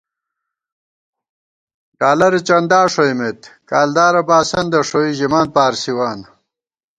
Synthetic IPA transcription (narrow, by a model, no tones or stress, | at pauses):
ɖaːlɐɾit͡ɕɐnd̪aːʂoimet̪kaːld̪aːɾɐbaːsɐnd̪ɐʂoiʑimaːn̚paːɾsiwaːn